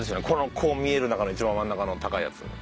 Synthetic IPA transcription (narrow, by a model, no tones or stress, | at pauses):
esɨjonekʰo̞no̞kʰo̞ːmʲie̞ɾɯ̟nakanoit͡ɕibãm̃mãnːakano̞t̪akaḭja̰t͡sɨ̰